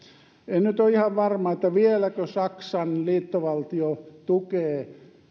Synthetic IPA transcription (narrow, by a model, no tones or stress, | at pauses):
ennyt̪oihɑʋʋɑrmɑet̪ːæʋielækøsɑksɑnliːt̪ːoʋɑlt̪iot̪ukeː